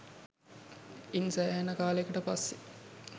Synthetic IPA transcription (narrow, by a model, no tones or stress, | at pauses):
insæːɦænːəkaːlekuʈəpasːi